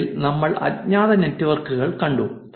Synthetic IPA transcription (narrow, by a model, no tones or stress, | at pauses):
lnɐmːɐɭʔɐ̰tɲaːðɐnetːiʋɐrkuɣɐɭkɐɳɖu